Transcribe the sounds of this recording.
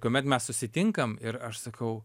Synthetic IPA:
koɔmʲɛt̪mʲɛssʊsʲɪt̪ʲɪŋkɐmɪɾɐʃsɐkɐʊ

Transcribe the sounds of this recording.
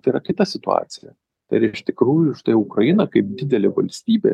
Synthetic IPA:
t̪ɐiɾɐkʲɪt̪ɐsʲɪt̪ʊɑ̰ːt̪sʲɪjɛ̰ | t̪ɐ̰ɪɪɾɪʃt̪ʲɪkɾuːjʊʃt̪ɐɪʊkɾɐjɪnɐkɐɪp̚d̪ʲɪd̪ʲɛlʲeːʋɐ̰lʲsʲt̪ʲiːbʲḛː

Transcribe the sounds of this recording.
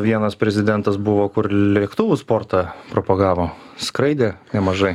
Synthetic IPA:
ʋʲiɛnɐspʲɾʲɛzʲɪd̪ʲɛnt̪ɐsbʊʋoːkʊɾlʲiɛkt̪ʊːʋʊspoːɾt̪ɑːpɾopɐɡɑːʋoː | skɾɐɪd̪ʲeːnʲɛmɐʒɐɪ

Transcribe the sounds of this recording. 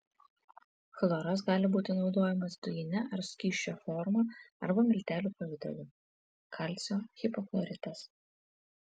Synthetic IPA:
xlˠoɾɐs̬ɡɑːlʲɪbuːt̪ʲɪnɒʊd̪oːjɛmɐsd̪ʊjɪnʲɛʔɐɾsʲkʲiːʃʲt͡ʃʲoːfɔɾmɐɐɾbɐmʲɪlʲt̪ʲæːlʲuːpɐʋʲɪd̪ʲɛ̰lʲuː | kʰɑlʲt̪sʲoːxʲɪpɔklˠɔɾʲɪt̪ɐs

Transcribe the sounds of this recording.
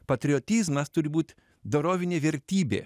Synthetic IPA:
pɐt̪ʲɾʲɪɔt̪ʲiːzmɐst̪ʊɾʲɪbuːt̪ʲ | d̪oːɾoːʋʲɪnʲeːʋʲɛɾʲt̪ʲiːbʲḛː

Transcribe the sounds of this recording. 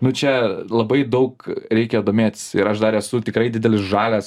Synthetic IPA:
nʊt͡ʃʲɛlˠɐbɐɪd̪ɐʊkɾʲɛɪkʲɛjd̪oːmʲeːt̪ʲsɪɾɐʃd̪ɐɾɛsʊt̪ʲɪkɾɐɪdʲɪd̪ʲɛlʲɪsʒɑːlʲæs

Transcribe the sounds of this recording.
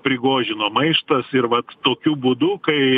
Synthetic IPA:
pʲɾʲɪɡoːʒʲɪnoːmɐɪʃt̪ɐsɪɾʋɐt̪toːkʲuːbuːd̪ʊkɐɪ

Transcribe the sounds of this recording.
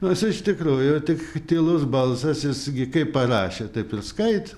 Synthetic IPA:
nosɪʃt̪ʲɪkɾuːjʊt̪ʲɪkt̪ʲilˠʊsbɐlˠsɐsjɪsɡʲɪkɐɪppɐrɑːʃʲet̪ɐɪpɪrskɐɪt̪

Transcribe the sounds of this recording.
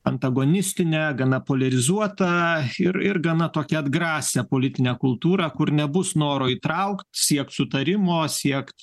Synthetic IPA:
ɐnt̪ɐɡoːnʲɪsʲt̪ʲɪnʲɛːɡɐnɐpoːlʲɛɾʲɪzuɔt̪ɐɪɾɪrɡɐnɐt̪oːkʲɛɐd̪ɡɾɑːsʲɛpoːlʲɪt̪ʲɪnʲɛːkʊlˠt̪uːɾɑkʊɾnʲɛbʊsnoːɾoːiːt̪ɾɐʊkt̪sʲiɛk̚t̪sʊt̪ɐɾʲɪmoːsʲiɛkt̪

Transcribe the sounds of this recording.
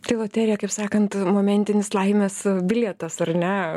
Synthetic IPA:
t̪ɐɪlˠoːt̪ʲɛɾʲɪjɛkɐɪpsɑːkɐnt̪moːmʲɛnʲt̪ʲɪnʲɪslˠɐɪmʲɛsbʲɪlʲɛt̪ɐsɐrnʲɛ

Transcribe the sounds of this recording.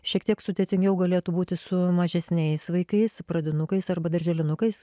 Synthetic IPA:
ʃʲiɛkt̪iɛksʊd̪ʲeːt̪ʲɪŋʲɡʲɛʊɡɐlʲeːt̪uːbuːt̪ʲɪsʊmɐʒʲɛsʲnʲɛɪsʋɐɪkɐɪspɾɐd̪ʲɪnʊkɐɪsɐrbɐd̪ɐɾʲʒʲɛlʲɪnʊkɐɪs

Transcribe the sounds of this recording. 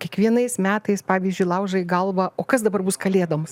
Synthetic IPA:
kʲiɛkʋʲiɛnɐɪsmʲæːt̪ɐɪspɑːʋʲiːzʲd͡ʒʲʊɪjlˠɐʊʒɐiɡɐlˠʋɐʔoːkɐsd̪ɐbɐrbʊskɐlʲeːd̪ɐmɐs

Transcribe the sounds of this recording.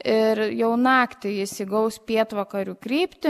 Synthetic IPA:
ɪɾjɛʊnɑːkt̪ʲɪɪsʲɪɡɐʊspʲiɛt̪ʋɐkɐɾʲuːkɾʲiːpʲt̪ʲɪ

